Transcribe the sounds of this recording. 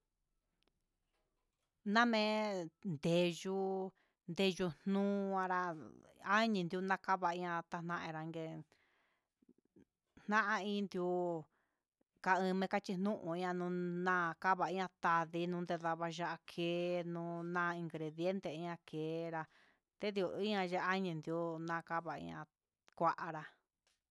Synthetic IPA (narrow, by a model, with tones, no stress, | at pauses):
nã˦mẽ˦nd̪e˨ʒu˧˦ | nd̪e˧ʒu˧n̥nũː˦˧ã˧ɾa˧ | a˦ɲĩ˧nd̪u˧nã˦ka˦βa˧i˧ɲã˧t̪a˧n̥ã˧ʔẽ˧ɾa˧ŋɡe˧ | n̥nã˦ʔã˧ĩ˦nd̪ju˧ | ka˧ɨ̃˧mẽ˧ka˦t͡ʃi˧n̥nũ˦ʔũ˧i˦ã˧nũ˧nã˦˧ka˦βa˧˨i˦ɲã˧t̪a˧ði˧˦nũ˧˦nd̪e˧ða˧βa˧ʒa˧ʔa˧kʰeː˨˦nũː˦nãː˦˧i˧ŋɡɾe˨ðje˦nt̪e˨i˧˦ã˧kʰeː˨˦ɾa˧ | t̪e˦d̪i˧u˧˨i˦ã˧ʒa˧a˦ɲĩ˧nd̪i˧u˧˦nã˧ka˦βa˨ḭ̃˧ɲã̰˧ | kʷa˦ʔa˧ɾa˧